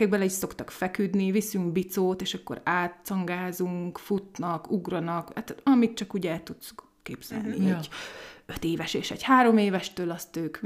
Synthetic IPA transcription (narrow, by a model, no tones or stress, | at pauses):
ɛɡ̚bølɛcso̞kt̪ɒkfɛkyd̪nivisyŋkbit̪soːt̪eːʃɒkːo̰ɾaːt̪ːɒŋɡaːzuŋkfut̪nɒkuɡrɒnɒkat̪ɒmit̪̚t͡ʃɒkuɟɛlt̪ut̪s | keːbz̥ɛ̰lnḭɟøt̪eːvɛʃeːʃɛ̰ɟhaːɾo̞meːvɛʃt̪øːlɒst̪øːk